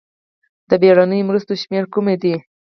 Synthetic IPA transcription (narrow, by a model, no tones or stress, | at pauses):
d̪̥əbeɽanəjomɾust̪oʃmeɾkumed̪i